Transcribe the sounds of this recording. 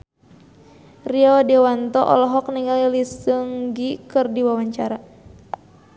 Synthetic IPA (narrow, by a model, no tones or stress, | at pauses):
riɔdɛwant̪ɔʔɔ̰lɔɦɔk̚niŋalilisɨŋɡikɨrdiwawaɲt͡ʃaɾa